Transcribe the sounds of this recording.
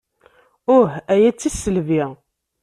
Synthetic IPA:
ʊħæjæt͡sːisːəlvi

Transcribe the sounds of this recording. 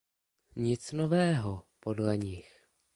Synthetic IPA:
ɲɪt͡sno̞vɛːɦopo̞dlɛɲɪx

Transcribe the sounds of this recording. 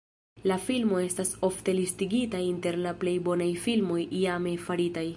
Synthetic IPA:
lafilmo̞e̞staso̞fte̞listiɡitainte̞ɾlaple̞jbo̞najfilmo̞jiame̞faɾitaj

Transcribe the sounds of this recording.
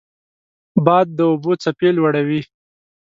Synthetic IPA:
bɑd̪̚ːəʊbot͡sapelwaɽawi

